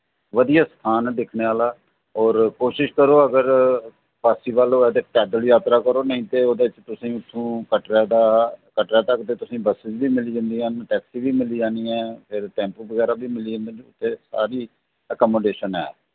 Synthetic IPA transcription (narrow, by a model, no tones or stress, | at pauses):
ʋəd̪ijaːst̪ʰaːnd̪ɪkʰneːaːlaː | ɔːɾkoːʃɪʃkəɾoːəɡəɾ | pʰaːsiːʋaːloːɛːd̪eːʈɛːd̪əljaːt̪ɾaːkəɾoːnəɦĩːt̪eːoːd̪aɪt͡ʃt̪ʊsĩːʊt̪ʰːũːkəʈɾd̪aːkəʈɾaːt̪əkt̪eːt̪ʊsĩːbəsɪd͡ʒbiːmɪliːd͡ʒãːnd̪iːənʈɛːksiːʋiːmɪliːd͡ʒãːniːɛːpʰɪɾʈɛ̃ːmpʋəɡɛːɾaːbiːmɪliːd͡ʒãːnd̪aːʊ̰t̪ʰːeːsa̰ːɾiː | əkɔːmoːɖeːʃənɛ̰ː